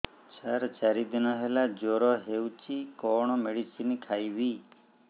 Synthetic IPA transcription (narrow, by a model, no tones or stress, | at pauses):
t͡ʃʰaɾt͡ʃaɾid̪inɔɦelad͡ʒoɾɔɦewt͡ʃikɔɽ̃ɔmeɽisinikʰajʋi